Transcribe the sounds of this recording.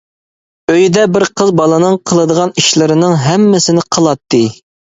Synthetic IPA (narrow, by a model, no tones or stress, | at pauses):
øjd̪ɛbɪɾqʰəzbɑlˠɨnɨŋqʰəlˠɨd̪əʁɑniʃlˠɨɾɨnɨŋɦɛmːɪsɪnɪqʰəlˠɑt̪ːɨ